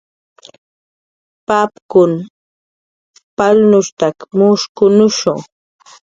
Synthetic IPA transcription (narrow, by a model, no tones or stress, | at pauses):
papkʊn | palnʊʃt̪akmʊʃkʊnʊʃʊ̰ŋ